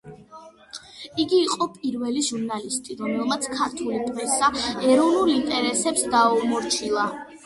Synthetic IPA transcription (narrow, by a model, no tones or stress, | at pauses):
iɡiːqʼɔpʼiɾvɛliʒuɾnalist̪ʼiɾɔmɛlˠmat̪sʰkʰaɾt̪ʰulid̪ʼvɛsaɛɾɔvnulˠint̪ʼɛɾɛsɛpsd̪aumɔɾt͡ʃʰilˠa